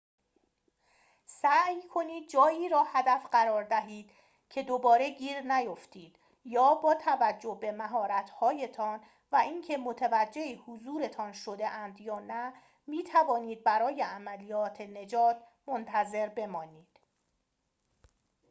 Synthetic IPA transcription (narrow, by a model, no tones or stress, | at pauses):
sæjkʰo̞niːd̪̥̚d͡ʒɒːjiːɾɒːhæd̪æfɢæɾɒːɾd̪æɦiːd̪̥ | cʰe̞d̪obɒːɾe̞ɟiːɾnæjoft̪ʰiːd̪̥ | jɒːbɒːt̪ʰævæd͡ʒːobe̞mæɦɒːɾæt̪ʰhɒːje̞t̪ʰɒn | væʔiŋcʰe̞mot̪ʰevæd͡ʒːe̞hihuzuːɾe̞t̪ʰɒnʃo̞d̪e̞ʔænd̪jɒːnæ | miːt̪ʰævɒːniːd̪̚bæɾɒːje̞æmælijɒːt̪ʰene̞d͡ʒɒːt̪ʰmo̞nt̪ʰæze̞ɾbe̞mɒːniːd̪̥